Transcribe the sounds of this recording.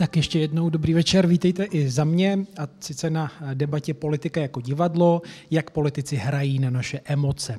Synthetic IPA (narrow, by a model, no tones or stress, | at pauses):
t̪akjɛʃcɛjɛdno̞wdo̞bɾiːvɛt͡ʃɛɾviːt̪ɛjt̪ɛʔɪzamɲɛasɪt͡sɛnadɛbacɛpo̞lɪt̪ɪkajako̞ɟɪvadlo̞jakpo̞lɪt̪ɪt͡sɪɦɾajiːnanaʃɛʔɛmo̞t͡sɛ